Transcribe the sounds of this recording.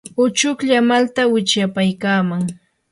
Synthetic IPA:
ʊt͡ʃʊkʎamalt̪awɪt͡ʃjapajkaːmaŋ

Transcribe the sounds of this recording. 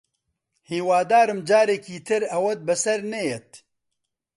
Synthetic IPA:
hiːwaːd̪aːɾɨmd͡ʒaːɾekiːt̪ʰɨɾɐwɐt̪̚bɐsɐɾnɛjɛt̪̚

